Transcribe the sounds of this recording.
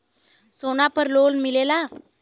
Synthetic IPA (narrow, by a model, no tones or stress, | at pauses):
sonapəɾlolmilela